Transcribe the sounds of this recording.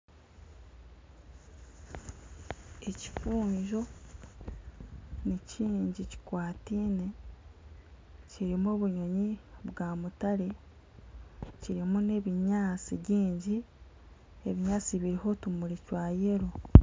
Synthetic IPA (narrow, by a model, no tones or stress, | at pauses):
eci̥fuːɲʒo̞ | niciːɲɟici̥kwaːtiːne̞ | ciɾimo̞ːβuɲo̞ɲiβɡaːmutaɾe | ciɾimune̞βiɲaːt͡siβɟiːɲɟi | e̞βiɲaːt͡siβiɾiho̞tumuɾicwaːje̞ɾo